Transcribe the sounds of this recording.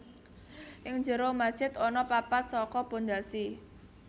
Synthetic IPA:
ʔɪŋɲd͡ʒəɾomad̥ʒ̥ɪt̪ɔnɔpapat̪̚sɔkɔpond̪asi

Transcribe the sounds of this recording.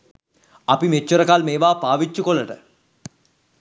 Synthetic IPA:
ɐpimet͡ʃːuɾəkalmeːʋaːpaːʋit͡ʃːukoləʈə

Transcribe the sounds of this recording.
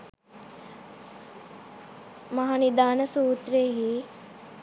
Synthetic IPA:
mɐɦanid̪aːnəsuːt̪reɦi

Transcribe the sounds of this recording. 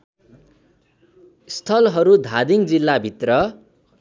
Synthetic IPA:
st̪ʰʌlɦʌɾud̪ʱad̪iŋd͡zilːabʱit̪rʌ

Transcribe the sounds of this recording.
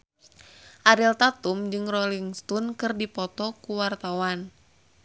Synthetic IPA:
ʔaɾilt̪at̪umd͡ʒɨŋrɔliŋst̪ɔnkɨrdipɔt̪ɔkuwart̪awan

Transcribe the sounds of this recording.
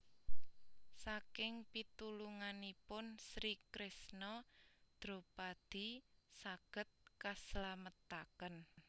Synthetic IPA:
sakɪŋpit̪uluŋanipʊnsɾikɾɪsnɔd̪̥ɾo̤pad̪̥i̤saɡ̥ə̤t̪̚kaslamət̪akən

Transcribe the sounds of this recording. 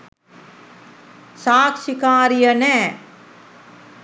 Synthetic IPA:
saːkʃikaːɾijənɛː

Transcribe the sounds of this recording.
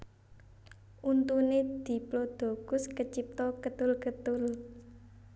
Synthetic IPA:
ʔunt̪uned̪̥i̤plod̪̥o̤ɡ̥ʊ̤skət͡ʃip̚t̪ɔkət̪ʊlkət̪ʊl

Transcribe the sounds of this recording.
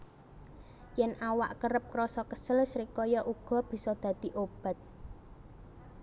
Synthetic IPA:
jɛnʔawa̰ʔkəɾəp̚kɾɔsɔkəsəlsɾikɔjɔʔuɡ̥ɔ̤b̥i̤sɔd̪̥ä̤d̪̥i̤ʔob̥a̤t̪̚

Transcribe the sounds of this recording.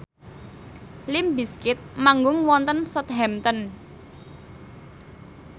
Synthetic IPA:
lɪmbiskɪt̪̚maŋɡʊŋwɔnt̪ənsɔt̪ɦɛmt̪ən

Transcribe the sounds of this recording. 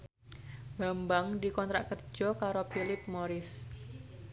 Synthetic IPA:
b̥ambaŋdikɔnt̪ɾaʔkərd͡ʒ̥ɔkaɾopilɪp̚moɾɪs

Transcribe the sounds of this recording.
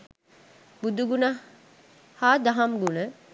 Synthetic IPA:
bud̪uɡuna | haːd̪aɦɐmɡunə

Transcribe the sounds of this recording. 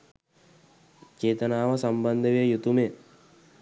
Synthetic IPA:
t͡ʃeːt̪ənaːʋəsamband̪əʋejəjut̪ume

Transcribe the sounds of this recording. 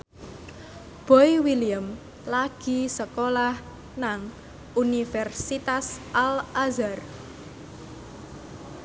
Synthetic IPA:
b̥ɔ̤iwiliəm | laɡ̥i̤səkolah | naŋ | unifɛrsit̪asʔalʔazar

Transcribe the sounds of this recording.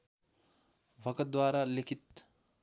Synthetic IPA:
bʱɐkəd̪waːɾaːlekʰit̪

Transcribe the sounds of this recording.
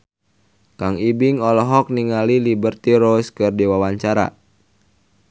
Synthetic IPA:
kaŋibiŋɔlɔɦɔk̚niŋalilibərt̪iɾoskɨrdiwawaɲt͡ʃaɾa̰

